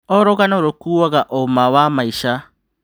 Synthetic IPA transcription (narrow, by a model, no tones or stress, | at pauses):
ɔɾoɣanaoɾokuːwaɣaʔomawamaiʃa